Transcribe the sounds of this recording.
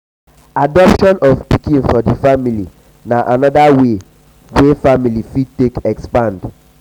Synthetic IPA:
adɔpʃɔ̃nɔfpikĩnfɔdifamili | naʔanɔdawe | wefamilifid̚tekɛkspãnd

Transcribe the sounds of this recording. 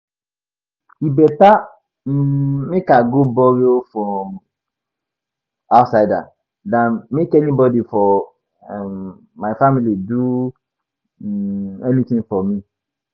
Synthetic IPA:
ibɛta | mmekaɡobɔɹiofɹɔ̃m | aʊtsaɪda̰ | dãnmekɛnibɔdifɔ | maɪfamilidu | ɛnit̪ĩŋfɔmĩ

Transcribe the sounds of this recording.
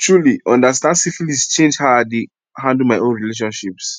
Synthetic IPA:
tɹuliʔɔ̃ndastãndsiflist͡ʃẽnd͡ʒhaade | ɦãndl̩maɪʔõnɹileʃ̬ɔ̃nʃips

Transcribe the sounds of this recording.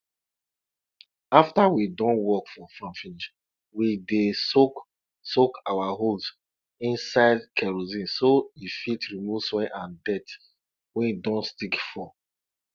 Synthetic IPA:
aftawidɔ̃nwɔkfɔfɹɔ̃mfiniʃ | widesok | sokawaɦols | ĩnsaɪdkʰɛɹozĩnsoifitɹimuvswɛʔãndɛt | wɛ̃nidɔ̃ntstikfɔ

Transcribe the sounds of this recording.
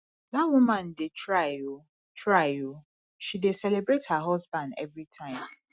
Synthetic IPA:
ðawumãndetʰɹaɪo | tʰɹaɪo | ʃidesɛlebɾethaɦɔzbãndɛ̰vɹitʰãɪ̃m

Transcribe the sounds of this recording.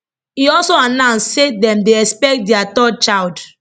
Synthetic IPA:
iɔlsoanãnssedɛ̃mdeɛspɛk̚t̚dɛatɔd̚t͡ʃald

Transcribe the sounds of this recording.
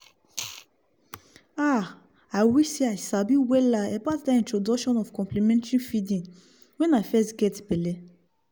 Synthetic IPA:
a | awiseasabiwɛlaɛbatdaĩntɹodɔkʃɔ̃nɔfkɔ̃mplimɛ̃ntĩnfidĩŋ | wɛ̃nafɛstɡɛtbɛlɛ

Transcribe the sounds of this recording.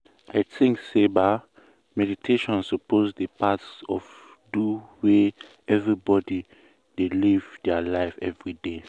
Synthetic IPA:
aɪtʰĩŋkseba | mɛditʰeʃɔ̃nsɔpʰozdəpʰatsɔv | duwe | ɛvɹibɔdi | delivdɛalaɪfɛvɹide

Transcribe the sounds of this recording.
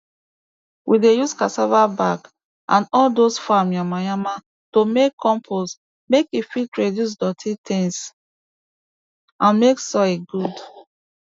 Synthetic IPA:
wʔidejuskasavabak | ʔãnɔldosfamjamajama | tomekʰːɔ̃mpʰos | mekifitɹedjus̬dɔtʰitʰĩŋs | ãnmeksɔiɡud

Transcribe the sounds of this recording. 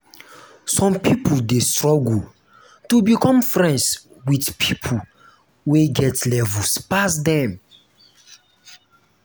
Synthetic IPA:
sɔ̃mpipuldestɹɔɡu | tubikɔ̃mfɹɛ̃nds | widpʰipʰu | weɡɛtlɛvuspasdɛ̃m

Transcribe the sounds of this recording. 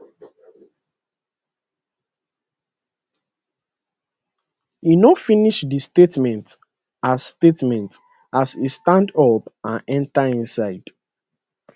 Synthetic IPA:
inɔfĩniʃdistetmɛ̃nt | asstetmɛ̃nt | asistãndɔpãnɛ̃ntaĩnsaɪd̥

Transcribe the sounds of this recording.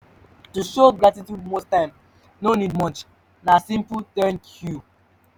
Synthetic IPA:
tuʃoɡɹatitjud̚mostãɪ̃m | nonid̚mɔ̃t͡ʃ | nasĩmputɛ̃nkʰju

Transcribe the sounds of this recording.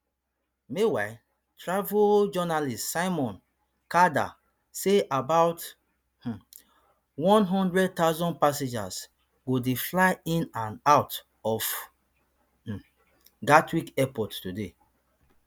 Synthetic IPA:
mewaɪ | tɹavod͡ʒɔnalistːsaɪmɔ̃n | kada̰ | seʔabaʊt | h̩ | wɔ̃nɦɔ̃ndɹɛd̚taʊzɔ̃npasẽd͡ʒa̰s | ɡodeflaɪĩnãnaʊt | ɔf | ɡatʰwikɛpɔtːude

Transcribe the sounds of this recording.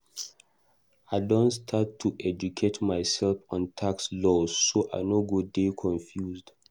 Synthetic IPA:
aɪdɔ̃ntstʰattʰːuʔɛd͡ʒukʰetmaɪsɛlfɔ̃ntʰakslɔzːoʔaɪnoɡodekʰɔ̃ɱfjuzd

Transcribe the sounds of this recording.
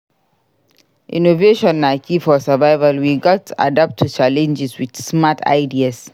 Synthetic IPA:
ʔḭnoveʃɔ̃nːakifɔsavaɪvalwiɡɔtʰːuʔa̰dap̚tʰut͡ʃalɛ̃nd͡ʒɛswid̥smatʰa̰ɪdias

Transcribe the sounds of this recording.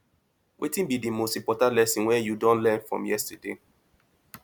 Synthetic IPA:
wʔetĩnbidimostipɔtalɛsɔ̃nwɛjudɔ̃nlɛ̃nfɹɔ̰̃mjɛstɛdḛ

